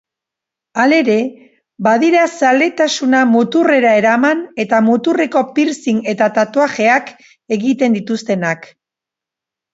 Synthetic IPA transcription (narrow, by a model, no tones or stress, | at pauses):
ale̞ɾe̞ | baðiɾasale̞t̪asunamut̪ure̞ɾae̞ɾamane̞t̪amut̪ureko̞piɾsine̞t̪at̪at̪oaʝe̞ak | e̞ɣit̪e̞nd̪it̪ust̪e̞nak